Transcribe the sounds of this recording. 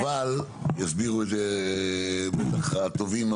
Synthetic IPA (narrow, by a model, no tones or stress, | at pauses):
val | jasbiʁuet̪ze | bet̪aχt̪ovim